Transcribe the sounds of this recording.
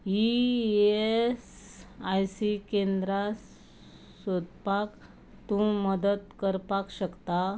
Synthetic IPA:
ies | ajsikend̪ɾas | sod̪pak | t̪ũməd̪ət̪kəɾpakɕəkt̪a

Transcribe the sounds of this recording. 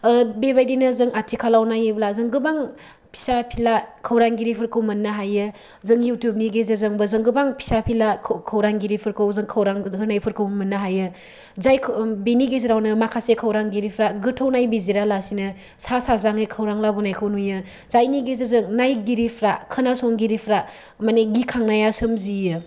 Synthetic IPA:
bebajdinɯzɯŋatʰikʰalawnajɯblazɯŋɡɯbaŋ | pʰi̥sapʰilakʰɐwɾaŋɡiɾipʰɯɾkʰɯwmɐnːaɦajɯ | zɯŋjutjub̚niɡezɯzɯŋbɯzɯŋɡɯbaŋpʰi̥sapʰilakʰkʰɐwɾaŋɡiɾipʰɯɾkʰɯwzɯŋkʰɐwɾaŋkʰɯnajpʰɯɾkʰɯwmɐnːɐɦajɯ | zajkʰbeniɡeziɾawnɯmakʰasekʰɐwɾaŋɡiɾipʰɾaɡɯtʰownajbiziɾalasinɯ | sasazaŋɯkʰɐwɾaŋlabunajkʰɐwnujɯ | zajniɡezezɯŋnajɡiɾipʰɾakʰɯnasɔŋɡiɾipʰɾa | maneɡikʰaŋnajasɯmzijɯ

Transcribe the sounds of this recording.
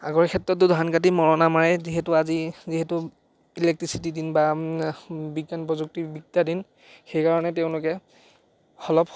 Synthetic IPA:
a̰ɡɔɹɛkʰɛtɹɔt̬ːʊdʱankat̬imɔɹɔnamaɹɛziɦɛtʊaziziɦɛtʊ | ilɛk̚tɹisitidinba | biɡːanpɹɔzuk̚tibik̚tadin | xejkaɹɔnɛteʊ̃lʊkɛ | xɔlɔp

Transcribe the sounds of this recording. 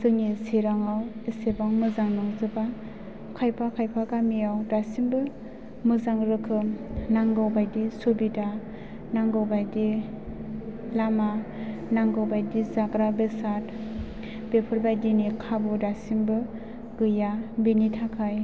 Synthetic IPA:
sɯŋiseɾaŋawesebaŋmɯzaŋnɯŋzɯba | kʰajpʰakʰajpʰaɡamijawdasimbɯ | mɯzaŋɾɯkʰɯmnaŋɡawbajdisobida | naŋɡawbajdi | lamanaŋɡawbajdizaɡɾabesat | b̥epʰɯɾbajdinikʰabɯdasimbɯ | ɡɯjabenitʰakʰaj

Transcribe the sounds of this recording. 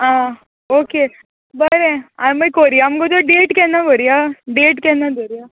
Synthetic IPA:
ɦã | oke | bəɾẽaməjkoɾijamɡod̪oɖeʈkɛnaɡoɾijaɖeʈkɛ̃nad̪oɾija

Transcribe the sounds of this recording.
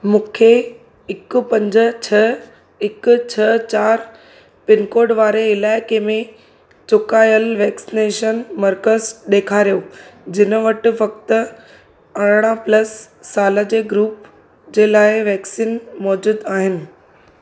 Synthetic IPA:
mũːkʰe | ɪkʊ̆pɐ̃ɲd͡ʑət͡ɕʰɐ | ɪkʊ̆t͡ɕʰɐt͡ɕaːɾ | pɪnkoːɾɖʋaːɾeɪlaːɪkemẽ | t͡ɕʊkaːjəlʋɛːksineːʃənmɐɾkəzɗeːkʰaːɾijoːd͡ʑɪnəʋɐʈɪ̆ʋɐkt̪ | ɐɽ̃ɽ̃aplɐsː | aːləd͡ʑeːɡɾuːp | d͡ʑeːlaːɪʋɛːksiːnmɔːd͡ʑuːd̪aːɦɪnɪ̆

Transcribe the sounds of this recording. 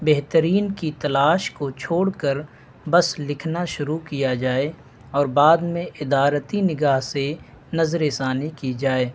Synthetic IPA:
beɦt̪əɾiːnkit̪ɐlaːʃkot͡ʃʰoːɽkəɾ | bəslɪkʰnaʃʊɾukijad͡ʒaːe | ɔːɾbaːd̪mẽʔɪd̪aːɾət̪inɪɡaːɦse | nɐzɾeːsaːnikid͡ʒaːeː

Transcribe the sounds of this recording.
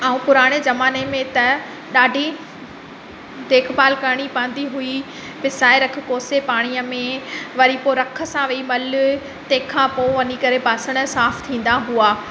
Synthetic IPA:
aːũpʊɾaːɽ̃ezɐmaːnemẽt̪ɐ | ɗaːɖʱi | d̪eːkʰbaːlkəɽ̃ipãːn̆d̪iɦui | pɪsaːeɾɐkʰɪ̆koːsepaːɽ̃ijəmẽʋɐɾipoɾɐkʰə̆sãʋeimɐlʊ | t̪ẽːkʰãpoʋɐnikɐɾebaːsəɽ̃ʊsaːft̪ʰĩːn̆d̪aɦuaː

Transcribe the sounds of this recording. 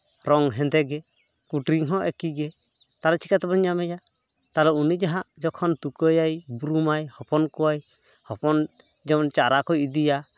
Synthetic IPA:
ɾɔŋɦɛnd̪ɛɡɛ | kuʈɾiŋɦɔ̃ʔɛkiɡɛ | t̪aɾɛt͡ʃʰikat̪ɛbɔɲːamɛja | t̪alɔunid͡ʒaɦaʔd͡ʒɔkʰɔnt̪ukəjajbɾumajhɔpɔnkuwaj | hɔpɔn | d͡ʒɛnt͡ʃaɾakɔjid̪ija

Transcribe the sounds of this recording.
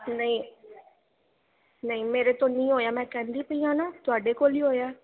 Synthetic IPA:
nəĩː | nəĩːmeːɾeːt̪õːnĩːɦoːjaːmɛ̃ːkɛ̃ːnd̪iːpəĩːãːnaːt̪ʊaːɖeːkoːliːɦoːjaː

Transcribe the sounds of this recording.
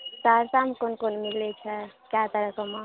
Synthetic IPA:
saɾsamkonkonmillet͡ʃʰəkat̪əɾəkəma

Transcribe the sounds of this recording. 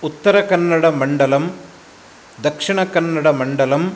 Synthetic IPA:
ʊt̪ːɐɾɐkɐnːɐɽɐmɐɳɖɐlɐm | d̪ɐkʂɪɳɐkɐnːɐɽɐmɐɳɖɐlɐm

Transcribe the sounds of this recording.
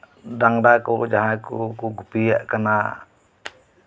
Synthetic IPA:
daŋdakud͡ʒaɦakukuɡupia̰ʔkana

